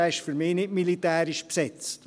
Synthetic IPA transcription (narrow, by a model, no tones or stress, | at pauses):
ɛɪʃfyɾmɪːnɪtmilitɛːɾiʃpsɛt͡st